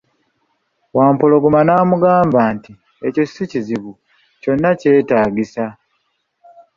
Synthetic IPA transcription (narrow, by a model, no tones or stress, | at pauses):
waːmpolo̞ɡomanaːmuɡaːmbaːnti | ecosuciziβu | co̞nːace̞ːtaːɡisa